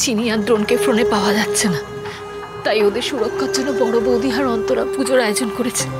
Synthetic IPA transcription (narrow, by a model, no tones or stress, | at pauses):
t͡ɕinijad̪ɾonkefɾonepaoad͡ʑat̪ːɕʰena | t̪ajod̪eɾʃuɾokʰːad͡ʑonːobɔɽobod̪ʱiɦaɾɔnt̪oɾapud͡ʑoɾaeod͡ʑonkoɾet͡ɕʰe̥